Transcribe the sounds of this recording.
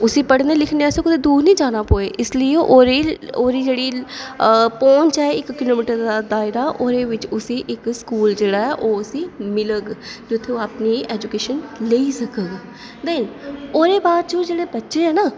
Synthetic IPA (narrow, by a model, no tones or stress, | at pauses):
ʊsĩːpəɽneːlɪkʰneːɛːsõkʊd̪eːd̪uːɾnĩːd͡ʒaːnaːpoːeːʔɪsləiːoʔoːɾeoːɾiːd͡ʒeːɽiː | põːnt͡ʃɛːɪkːɪloːmiːʈəɾd̪aːd̪aːɪɾaːʔoːɾeːʋɪt͡ʃʊsiːʔɪkskuːld͡ʒeːɽaːɦɛʔoːʊsiːmɪləɡd͡ʒʊt̪ʰːeaːpniːɛːd͡ʒukeːʃənleːisəkəɡ | d̪ɛnoːɾeːbaːd̪t͡ʃõːd͡ʒeːɽeːbətːʃeɦɛːnaː